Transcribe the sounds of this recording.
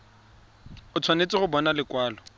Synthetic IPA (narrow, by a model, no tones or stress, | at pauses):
ʊt͡sʰwanet͡sʼɪɣʊbɔnalɪkwaːlɔ